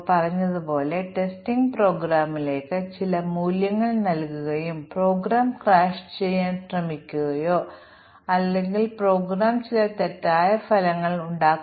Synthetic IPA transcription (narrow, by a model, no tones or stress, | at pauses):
pɐrɐɲːɐðupo̞ːle̞ʈe̞sʈiŋɡpro̞ːɡɾaːmːile̞ːkːɨt͡ɕilɐmuːljɐŋːɐɭnɐlkuɣɐjumpro̞ːɡɾaːmkraːʂt͡ɕe̞jːaːnɕrɐmikʲːuɣɐjo̞ː | ɐlːe̞ŋɡilpro̞ːɡɾaːmt͡ɕilɐt̪etːaːjɐfɐlɐŋːɐɭuɳɖaːk